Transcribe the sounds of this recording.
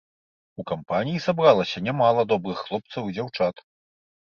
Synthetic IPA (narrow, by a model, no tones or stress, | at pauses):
ukampanʲijisabɾalˠɐsʲɐnʲamalˠɐd̪ɔbɾɨxːlˠɔp̚t̪sɐwid͡zʲawt͡ʂat̪